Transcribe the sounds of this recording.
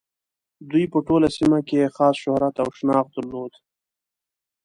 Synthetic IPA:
d̪ujpəʈolasimakeexɑsʃʊhɾat̪awʃnɑxd̪əɾlod̪

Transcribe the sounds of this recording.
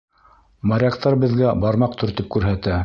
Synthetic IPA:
mɑɾʲɑkt̪ɑɾbɘ̆ðɡæbɑɾmɑq̚t̪ʰɵ̆ɾt̪ɘp̚kʉɾɦæt̪æ

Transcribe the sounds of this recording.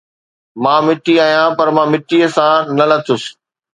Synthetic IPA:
mãːmɪʈiaːijãpɐɾmãːmɪʈiːəsãːnɐlɐt̪ʰʊsɪ̥

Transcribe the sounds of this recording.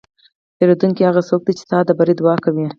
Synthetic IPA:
t̪eɾod̪uŋkihaɣasok̚d̪it͡ʃe̥t̪ɑd̪əbaɾed̪uwɑkawi

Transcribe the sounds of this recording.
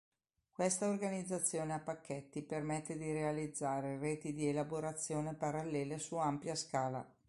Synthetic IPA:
kwest̪aorɡanid̪zːat̪sːjoːneapːakʰːet̪ːipermet̪ːed̪iɾealid̪zːaːɾereːt̪id̪ielaboɾat̪sːjoːnepaɾalːeːlesuampjaskaːla̰

